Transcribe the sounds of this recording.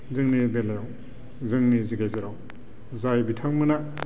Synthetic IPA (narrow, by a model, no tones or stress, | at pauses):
zɯŋnibelajaw | zɯŋniziɡajzeɾaw | zajbitʰaŋmɯna